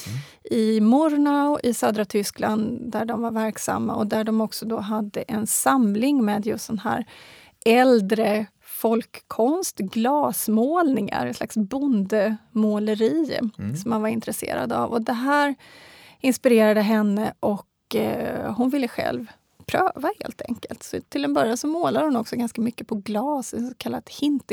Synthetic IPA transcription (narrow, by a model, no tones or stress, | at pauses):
ʔɪmɔɾnaʊʔɪsœːd̪ɾat̪ʰʏskland̪d̪æɖɔmvaɾvæɾksa̰mːaɔd̪æɖɔmɔksɔd̪ɔɦad̪ːəʔɛnsamlɪŋmeːd̪jɵst̪̚d̪ɛnɦæ̰ːɾ | ɛld̪ɾə | fɔlkʰːɔnst̪ɡlɑːsmoːlnɪŋa̰ɾɛnsla̰ksbʊnd̪əmoːləɾiːsɔmːanvaɾɪnt̪ɾɛsḛːɾa̰d̪a̰vɔd̪ɛɦæːɾ | ɪnspɪɾeːɾad̪əɦɛnːəʔɔk | hʊnvɪlːəɧɛ̰lv | pʰɾøːvahḛːlt̪ʰɛ̰ŋkə̰lt̪sɔt̪ʰːɪld̪ɛnbœɾjansɔmoːlad̪əhʊnɔksɔɡanskamʏkːəpʰɔɡlɑːsɛsɔkʰalːa̰t̪hɪnt̪